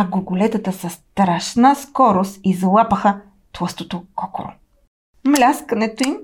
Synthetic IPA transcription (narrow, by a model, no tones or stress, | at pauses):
ɐɡoɡolɛt̪ət̪əsɐst̪ɾaʃnəskɔɾost̪izlˠapəxə | t̪lˠɤst̪ot̪okɔko̰ɾo̰ | mlʲaskənɛt̪oim